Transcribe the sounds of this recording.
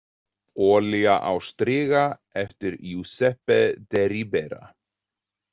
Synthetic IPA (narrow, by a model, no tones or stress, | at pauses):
ɔːliaʔawst̪ɾɪːɣa | ɛft̪ɪɾjusɛhpɛd̪ɛɾibɛɾa̰